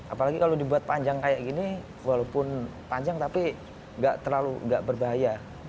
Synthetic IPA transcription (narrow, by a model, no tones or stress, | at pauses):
ʔapalaɡikalodibuat̪̚paɲd͡ʒaŋkajaʔɡini | walawpʊn | paɲd͡ʒaŋt̪api | ŋɡaʔt̪ərlaluŋɡaʔbərbaɦaja